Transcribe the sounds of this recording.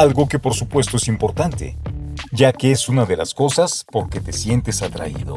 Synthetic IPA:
alɣo̞ke̞po̞ɾsupwe̞s̬t̪o̞esimpo̞ɾt̪ant̪e̞̰ʝakeesunaðe̞lasko̞saspo̞ɾke̞t̪e̞sje̞nt̪e̞sat̪ɾa̰ḭðo̞̰

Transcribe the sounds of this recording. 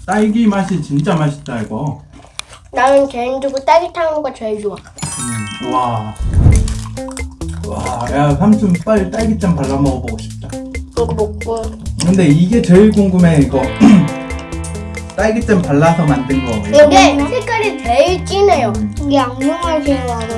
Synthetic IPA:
t͈aiɡimaɕʰint͡ɕint͡ɕ͈amaɕʰi̥t̚t͈aiɡʌ | nanɯnt͡ɕend͡ʑuɡot͈aɭɡitʰaŋɡwat͡ɕʌɭd͡ʑua | a | wa̰jasʰamt͡ɕʰɯmp͈at͈aɭɡit͡ɕ͈ampaɭːamʌboɡoɕʰi̥p̚t͈akɯɡopok͈okɯɯnde̞iɡe̞t͡ɕʌiɡoŋɡume̞iɡʌ | t͈aɭɡit͡ɕ͈ampaɭːasʰʌmandɯnɡʌkatiɡepʰek͈aɾiteiɭt͡ɕ͈inejoiɡeaŋɲoŋasʰeaɾo

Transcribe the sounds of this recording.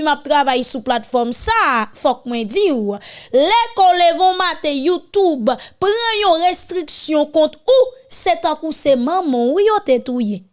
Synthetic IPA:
map̚t̪ʁavajsuplat̪fɔmsafɔk̚mwɛ̃d͡ziwlɛkɔlevɔ̃mat̪ejut̪ubpɣãjɔ̃ʁest̪ʁiksjɔ̃kɔ̃t̪uset̪ãkusemʌ̃mɔ̃jot̪et̪uje

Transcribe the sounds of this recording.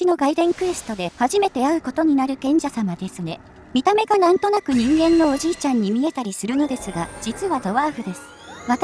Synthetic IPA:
ino̞ɡaid̪ẽ̞ŋkɯ̟e̞sɨ̥t̪o̞d̪e̞haʑime̞t̪e̞aɯ̟ko̞t̪o̞ɲ̟inaɾɯ̟kẽ̞ɲ̟d͡ʑasamad̪e̞sɨne̞ | mʲit̪ame̞ɡanãnt̪o̞nakɯ̟ɲ̟ĩŋɡẽ̞nːo̞ːʑiːt͡ɕãɲ̟ːimʲie̞t̪aɾʲisɨɾɯ̟no̞d̪e̞sɨɡad͡ʑ̥it͡sɨβad̪o̞βaːɸɯ̟d̪e̞sɨ̥ | βat̪

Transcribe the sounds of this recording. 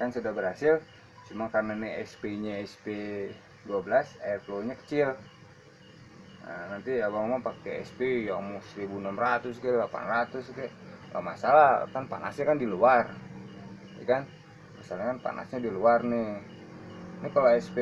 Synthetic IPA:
kansudabəɾhasɪl | t͡ʃumaŋkarnaniɛspeiɲaɛspe | duabəlasaɛrploɲakə̥t͡ʃɪl | ə̰nant̪iabaŋamaŋpakɛɛ̰spejamusɾibunɔmrat̪ʊskɛlapa̰nrat̪ʊskɛla̰masalakanpa̰na̰sɲakandiluar | ja̰kan | masalɲakanpa̰nʔa̰sɲadiluarnɪ | nɪkaloɛspe

